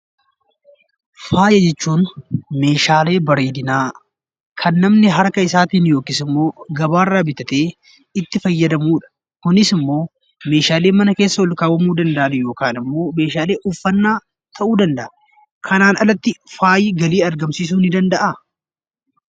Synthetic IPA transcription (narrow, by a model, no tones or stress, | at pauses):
faːjɐd͡ʒɛt͡ʃːuːnme̞ːʃaːle̞ːbɐɾeːd̪ɪnaː | kʰɐnːɐmnɪɦɐɾkɐɪsaːt̪iːnjo̞ːkɪsɪmːo̞ːɡɐbaːrːaːbɪt̪ɐt̪eː | ɪt̪ːɪfɐjːɐd̪ɐmuːᶑɐ̥ | kʊnɪsɪmːo̞ː | me̞ːʃaːle̞ːmɐnɐke̞ːsːɐwɔlkaːwɐmuːd̪ɐnd̪ɐʔɐnɛjo̞ːkaːnɪmːo̞ːme̞ːʃaːleːʔʊfːɐnːaː | t̪ʰɐʔuːd̪ɐnd̪ɐʔɐ | kʰɐnaːnʔɐ̰lɐt̪ːɪfaːjɪɡɐliːɐɾɡɐmsiːs̬uːnɪd̪ɐnd̪ɐʔa